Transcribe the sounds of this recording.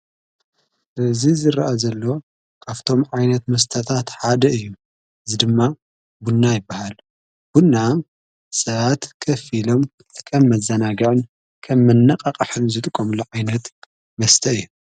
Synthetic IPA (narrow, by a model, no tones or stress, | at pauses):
ʔɨzizɨɾaʔazɐlːo̞ | kʰaft̪ʰo̞mʕajnɐt̪mɐs̬t̪ʰɐt̪ʰat̪ħad̪ɐɨjːu | ʔɨzid̪ɨmːa | bunːajɪbːahal | b̥unːa | sɐβat̪kʰɐfilo̞m | kʰɐmːɐzɐnaɡɐʕɨn | kʰɐmːɐnːɐqʼɐqʼħɨnzɨt̪ʼɨkʼːomɨlːuʕajnɐt̪ | mɐst̪ʰɐɨjːu